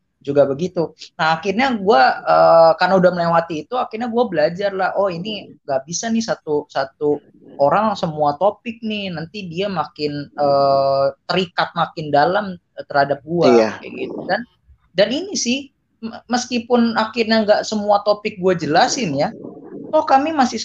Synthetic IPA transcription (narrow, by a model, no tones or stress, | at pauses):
d͡ʒuɡabəɡit̪unahːxɪrɲaɡuaəːkarnaudahməlewat̪iːt̪uakɪrɲaɡuabəlad͡ʒarlahɔhiniŋɡaʔbisanɪsat̪usat̪u | oɾaŋsəmuat̪opɪk̚nɪhnant̪idiamakɪnəːt̪əɾikat̪̚makɪndalam | t̪ərhadap̚ɡuaaja̰ɡḭt̪̚udan | daninisɪh | məskipʊnaxɪrɲaŋɡaʔsəmuat̪opɪk̚ɡuad͡ʒəlasɪnjat̪ɔhkamimasɪh